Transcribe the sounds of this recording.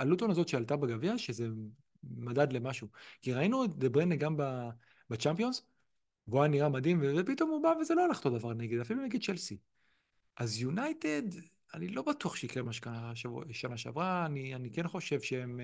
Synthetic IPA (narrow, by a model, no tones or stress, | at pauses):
alut̪o̞nazo̞t̪ʃealt̪abeɡavjaʃe̞ze̞ | madad̪le̞maʃukiʁainud̪ebʁeneɡamba | bat͡ʃampio̞nz | voaniʁamad̪imvevepit̪o̞mubaveze̞loalaχo̥t̪od̪avaʁneɡed̪afiluneɡed̪̚t͡ʃelsi | ʔazjunajt̪e̞d̪ | anilo̞batuaχʃeikʁemaʃe̥kanaʃanaʃea̰vʁaːnianike̞nχo̞ʃe̞vʃeem